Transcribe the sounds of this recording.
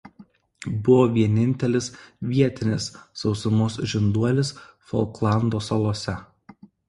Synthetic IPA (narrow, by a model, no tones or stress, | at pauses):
bʊʋoːʋʲiɛnʲɪnʲt̪ʲɛlʲɪsʋʲiɛt̪ʲɪnʲɪsːɒʊsʲʊmoːsʒʲɪnd̪uɔlʲɪsfɔ̰lˠklˠɑnd̪oːsɐlˠoɔsʲɛ